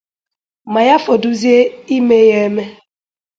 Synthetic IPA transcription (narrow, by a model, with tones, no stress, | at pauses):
ma˨ja˦fo˨du˦zje˦i˦me˦je˦me˦